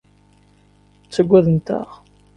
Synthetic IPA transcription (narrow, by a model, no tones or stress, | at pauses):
t͡sːəɡʷːæðənt̪ə̰ʁ